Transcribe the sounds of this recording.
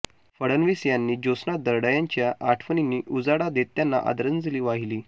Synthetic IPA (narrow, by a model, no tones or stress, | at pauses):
fəɽənʋisjanːiːd͡ʑosnad̪əɾɽajaɲt͡ɕjaʔaʈʰfəninːiːʔud͡zaɽad̪et̪janːa̰ʔə̰d̪ɾənd͡zliːʋaɦiliː